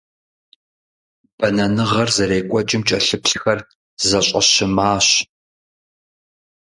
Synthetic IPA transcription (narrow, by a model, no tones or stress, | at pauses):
b̥ɐnɐnɨʁɐrzɐɾeːkʷʼɔd͡ʒʼɪmt͡ʃʼɐɬɨpɬxɐr | zɐɕʼɐʃɪmaːɕ